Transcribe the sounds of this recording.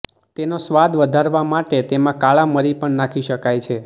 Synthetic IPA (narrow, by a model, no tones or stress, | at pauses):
t̪enosʋad̪ʋəd̪ʱaɾʋamaʈet̪emãkaɭaməɾipəɳnakʰiʃəkajt͡ʃʰe